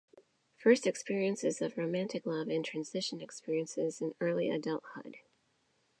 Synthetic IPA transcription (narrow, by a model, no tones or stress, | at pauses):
fɜ˞stɨkspɪɹiɨ̃nsɨzʌvɹoʊmæ̃ntɨklʌvɨ̃ntʰɹ̥æ̃nz̥ɪʃɨ̃nɨkspɪɹiɨ̃nsɪzɨ̃nɜ˞lˠiɨ̰dʌlˠt̚hʊ̰d̥